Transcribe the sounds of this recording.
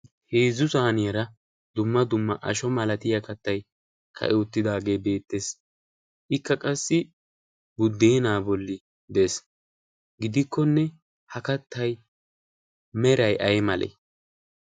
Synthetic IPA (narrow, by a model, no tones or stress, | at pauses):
heːzʊsaːnɪjɐɾɐ | d̪ʊmːɐd̪ʊmːɐʔɐʃɔmɐlɐt̪ɪjɐkɐt̪ːɐj | kʰɐ̰ʔɛʊt̪ːɪd̪aːɡe̞ːbe̞ːt̪ːeːs | ʔɪkːɐkʼɐsːɪ | bʊd̪ːeːnaːbɔlːɪ | d̪es | ɡɪd̪ɪkʰːɔnːɛ | hɐkɐt̪ʰːɐj | mɛɾɐjʔɐjmɐlʔḛ